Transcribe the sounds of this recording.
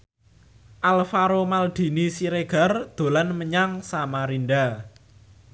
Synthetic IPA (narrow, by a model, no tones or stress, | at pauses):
ʔalfaɾomald̪̥i̤nisiɾeɡ̥a̤rd̪̥o̤lanməɲaŋsamaɾinɖa